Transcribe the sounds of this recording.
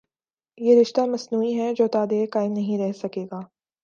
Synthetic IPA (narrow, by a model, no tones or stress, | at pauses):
jeːɾɪʃt̪amɐsnuːiɦɛd͡ʒoːt̪aːd̪ekaːɪmnɐɦĩɾɛɦsɐkeːɡaː